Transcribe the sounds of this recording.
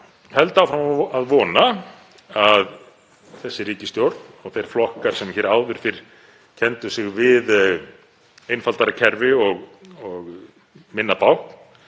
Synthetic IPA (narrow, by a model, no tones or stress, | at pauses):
hɛl̪t̪aːwfɾamaaðvɔːna | að | θɛsːɪɾiːcɪst̪jowɾt̪nɔɣθejɾ̥flɔhkaɾ̥sɛmçɛɾaːwðʏɾ̥fɪɾ̥ | cʰɛnt̪ʏsɪɣvɪð | ejnfalt̪aɾacʰɛɾvɪɔɣɔɣ | mɪnːapawhkn